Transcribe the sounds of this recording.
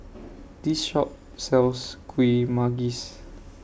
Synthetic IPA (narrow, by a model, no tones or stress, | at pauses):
d̥isʃɔp̚ | sɛlskʰwimaɡis